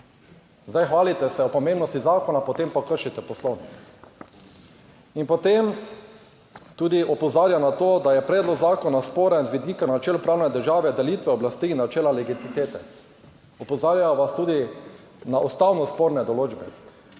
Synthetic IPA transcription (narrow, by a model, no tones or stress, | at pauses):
zd̪ajxʋaːlit̪ɛsɛɔpɔmẽmbnɔst̪izaːkɔnapɔt̪empɔkəɾʃit̪ɛpɔslownik | inpot̪em | t̪uːd̪iʔɔpɔzaːɾjanat̪oːd̪ajɛpɾɛːd̪lɔɡzaːkɔnaspoːɾɛnzʋid̪iːkanat͡ʃɛːlpɾawnɛd̪əɾʒaːʋɛd̪ɛliːt̪ʋɛɔblast̪iːnːat͡ʃɛːlalɛɡit̪it̪eːt̪ɛ | ɔpɔzaːɾjaʋast̪uːd̪i | naʔust̪awnɔspoɾnɛd̪ɔloːd͡ʒbɛ